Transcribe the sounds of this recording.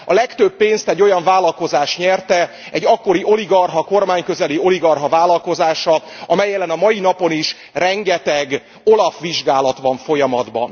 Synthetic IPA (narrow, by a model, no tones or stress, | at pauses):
ɒlɛkt̪øbːeːnst̪ɛɟːo̞jɒɱvaːlɒlko̞zaːʃɲɛrt̪ɛ | ɛɟːɒkːo̞ɾiʔo̞liɡɒrɦɒko̞rmaːɲkø̞zɛlio̞liɡɒrɦɒvaːlːɒlko̞zaːʃɒ | ɒmɛjːɛlɛnɒmɒjinɒpo̞niʃ | rɛŋɡɛt̪ɛɡ | o̞lɒfʋiʒɡaːlɒt̪ʋɒɱfo̞jɒmɒd̪bɒ̰n